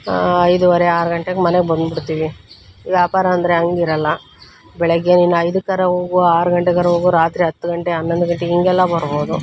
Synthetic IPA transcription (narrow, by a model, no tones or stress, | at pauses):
ɐjd̪uʋɐɾeaːɾuɡɐɳʈeɡemɐneɡebɐnd̪biɽt̪iːʋi | ʋjaːpaːɾɐɐnd̪ɐɾeɐŋɡiɾɐlːɐ | bɛɭɐɡːeninːuɐjd̪ukɐɾɐɦoːɡuaːɾuɡɐɳʈekɐɾɐɦoːɡuɾaːt̪ɾiɦɐt̪ːuɡɐɳʈeɐnːond̪uɡɐɳʈeiŋɡɛlːɐbɐɾbo̞ːd̪u